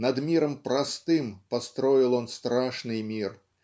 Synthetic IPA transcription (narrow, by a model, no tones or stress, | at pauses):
nɐd̪mʲiɾɐmpɾast̪ɨmpast̪ɾɔjilˠɔnst̪ɾaʂnɨjmʲir